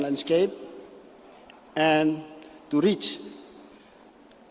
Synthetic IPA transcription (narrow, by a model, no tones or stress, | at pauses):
lãnskeɪp̚ | ɛ̃ntuɾit͡ʃ